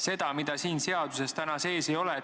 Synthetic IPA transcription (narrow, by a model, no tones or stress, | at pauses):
se̞d̪̥ɑmid̪̥ɑsiːnse̞ɑd̪̥use̞st̪ænɑse̞ːsejo̞lɛ